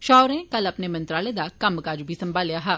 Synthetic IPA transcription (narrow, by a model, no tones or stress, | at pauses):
ʃɔːɾẽkɐlɐpnemɐ̃nt̪ɾaːled̪akɐmkad͡ʒoːbʱisɐ̃mbʱaːljaːɦaː